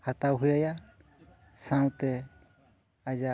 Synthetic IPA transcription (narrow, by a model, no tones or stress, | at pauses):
hat̪awɦujaja | sãwt̪ɛ | ad͡ʒa